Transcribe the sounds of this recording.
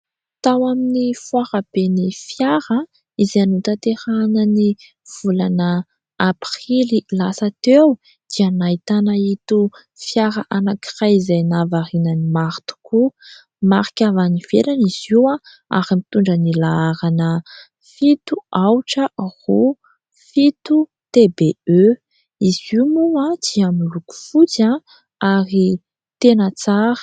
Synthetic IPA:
t̪awaminifwaɾab̥enifjaɾə | izanut̪at̪eɾanəni | v̥ulanə | apɾililasat̪ew | d̪̥ianait̪anait̪u | fjaɾaʔanakirajizajnavaɾinənimaɾt̪u̥ku | maɾi̥kʲavaniv̥ḛɾaniziwã | a̰ɾimit̪uɳɖ͡ʐənilaaɾanə | fit̪uawʈ͡ʂəru | fit̪u | t̪ebeø | izimuãd̪̥iamiluku̥fut͡sã | aɾi | t̪enət͡saɾə̥

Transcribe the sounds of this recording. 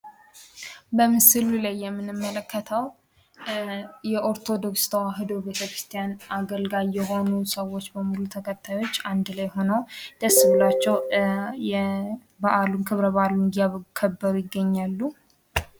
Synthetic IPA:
bəmɨsɨlulajːɛmːɨnɨmːələkːət̪ʰəw | jɛʔo̞ɾt̪ʰo̞d̪o̞kst̪ʰəwaɦɨd̪o̞be̞t̪ʰəkɾɨst̪ʰijanʔaɡəlɡajːɛɦo̞nusəwo̞t͡ʃːbəmulut̪ʰəkʰət̪ʰːajo̞t͡ʃːand̪lajho̞nəwd̪̥əsːɨβɨlat͡ʃːɛwjɛ | baʔalunkʰɨβɾəβaalunɡijaβəɡukʰəbːəɾujɪɡːəɲːalːu

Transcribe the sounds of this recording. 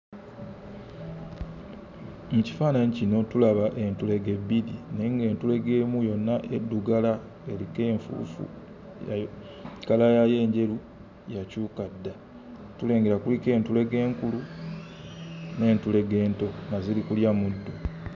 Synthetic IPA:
muci̥faːnaɲicino̞tulaβaʔe̞ntule̞ɡe̞bilineŋɡe̞ːntule̞ɡe̞ːmujo̞nːaʔedːuɡala | elike̞ːɱfṵːfṵ | ja | kalajaje̞ːɲɟe̞lu | jacuːkadːa | tule̞ːŋɡe̞ɾakulike̞ːntule̞ɡe̞ːŋkulu | ne̞ːntule̞ɡe̞ːnto̞ŋazilikuljamudːo

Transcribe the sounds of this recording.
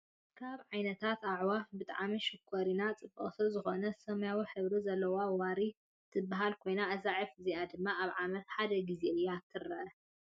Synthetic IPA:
kʰaβʕajnɐt̪ʰat̪aʕwabɨt̪ʼa̰ʕmiʃɨkʰːoɾinat͡sʼɨbːɐ̰χʼt̪ʰuzɨxo̞nɐsɐmjawiħɨβɾizɐlːɐwawaɾi | t̪ʰɨbːaɦalkʰo̞jnaɐzaʕifɨziʔad̪ɨmːaaβʕamɐt̪ħad̪ɐɡizeɨjːɛat̪ʰɨɾɐʔɐ

